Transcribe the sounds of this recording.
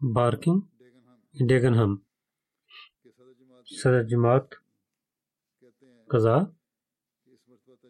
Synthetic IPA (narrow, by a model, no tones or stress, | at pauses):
baːɾkɪŋ | ɪɖeːɡɐnɦɐm | sɐɾɐd͡ʒumaːt̪ | kɐzaː